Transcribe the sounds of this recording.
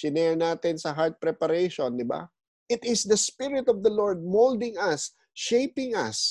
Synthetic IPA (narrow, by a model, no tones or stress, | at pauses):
ɪnɛɹnaːt̪ɪnsɐɦaɹd̪̚pɾɛpɐɾɛjʃond̪ɪba̰ | ʔɪt̪ɪsd̪ɐspɪɹɪt̪ɔvd̪ɐloɹd̪̚mowld̪ɪŋɐs | ʃejpɪŋɐ̰s